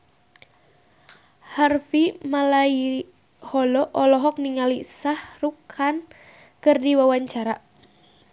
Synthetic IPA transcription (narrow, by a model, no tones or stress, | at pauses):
harfimalai | hɔlɔʔɔlɔɦɔk̚niŋalisahrukʰan | kɨrdiwawaɲt͡ʃaɾa